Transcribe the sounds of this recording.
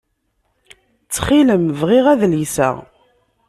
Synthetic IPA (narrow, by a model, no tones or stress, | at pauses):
t͡sːχiləmvʁiʁæðljsə̰ʁ